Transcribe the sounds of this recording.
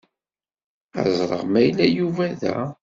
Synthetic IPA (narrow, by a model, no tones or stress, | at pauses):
æ̰zˤɾˤə̰ʁmæjlæjuvæðæ̰